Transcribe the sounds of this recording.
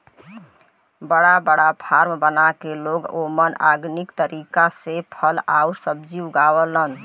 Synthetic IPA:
bəɽabəɽapʰaɾmbənakeloɡoməna̰ɡnikt̪əɾikasepʰəla̰uɾsəb̚d͡ʒiuɡawələn

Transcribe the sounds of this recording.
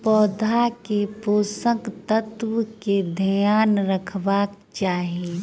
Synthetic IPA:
pɔːd̪ʱakepoːsəkt̪ət̪wked̪ʱəjaːnɾəkʰʋaːk | t͡ʃaːɦie

